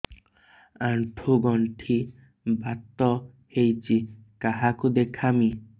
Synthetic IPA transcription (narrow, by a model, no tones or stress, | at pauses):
aɳʈʰuɡɔɳʈʰi | bat̪ːɔ | hejt͡ʃikaɦakud̪ekʰami